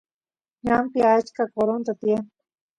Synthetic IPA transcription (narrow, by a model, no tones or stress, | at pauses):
ɲampiat͡ʃkakoɾont̪at̪jem